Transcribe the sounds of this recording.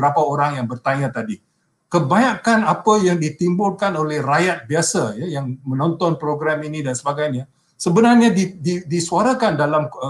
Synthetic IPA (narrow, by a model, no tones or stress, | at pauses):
ɾapaoɾaŋjaŋbərt̪aɲãt̪adi | kəbaɲakanapajaŋdit̪imbʊlkanolɛhrajat̪̚biasajajaŋmə̃nɔnt̪ɔnpɾoɡɾaminidansəbaɡajɲa | səbənarɲadididisuaɾakandalam